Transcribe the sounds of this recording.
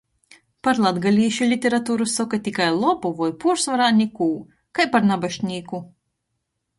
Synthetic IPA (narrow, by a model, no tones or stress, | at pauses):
paɾlˠad̪ɡalʲiːʃulʲit̪ʲeɾat̪uːɾusɔkat̪ʲikajlˠɔbuvɔjpuɾsvaɾanʲikuː | kajpaɾnabaʃnʲiːku